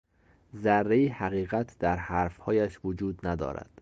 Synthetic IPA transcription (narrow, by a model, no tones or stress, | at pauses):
zærːejihæɣiːɣæt̪ʰd̪æɾhæɾfhɒːjæʃvod͡ʒuːd̪næd̪ɒ̰ːɾæ̰d̪̥